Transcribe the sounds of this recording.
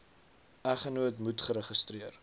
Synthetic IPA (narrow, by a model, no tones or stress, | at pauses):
æχənuətmutχəɾəχəstriər